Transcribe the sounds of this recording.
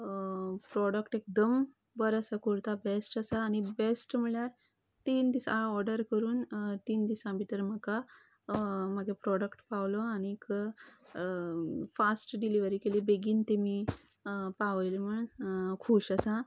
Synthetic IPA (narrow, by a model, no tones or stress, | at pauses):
pɾɔɽəkʈek̚d̪əm | bəɾəsakoɾt̪abesʈəsaːñibesʈm̤iɭjaɾ | t̪iːnd̪isaɔɾɖəɾkəɾuːnt̪iːnd̪isãbit̪əɾməka | maɡʱepɾɔɽəkʈpaʋlɔañik | fasʈɖiliʋəɾiːkeliːbeɡiːnt̪emi | paʋjlm̤əɳkʰuːɕəsa